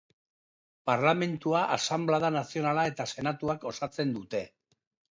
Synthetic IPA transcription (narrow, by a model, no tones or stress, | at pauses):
paɾlame̞nt̪uaʔasamblaðanasio̞nalae̞t̪ase̞nat̪uako̞sat͡se̞nd̪ut̪e̞